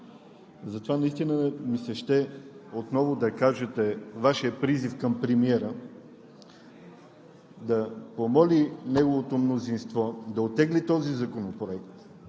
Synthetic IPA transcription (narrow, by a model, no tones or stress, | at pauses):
zɐt̪ovanɐist̪inəmisɛʃt̪ɛot̪nɔvod̪ɐkaʒɛt̪ɛvaʃiəpɾizifkəmpɾɛmiɛɾə | d̪ɐpomɔlinɛɡovot̪omnozinst̪vɔd̪ɐot̪ːɛɡlit̪ɔzizɐkonopɾoɛkt̪